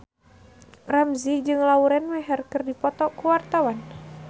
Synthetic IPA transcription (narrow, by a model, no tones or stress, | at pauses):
ramzid͡ʒɨŋlauɾɛnwɛɦɛrkərdipɔt̪ɔkuwart̪awan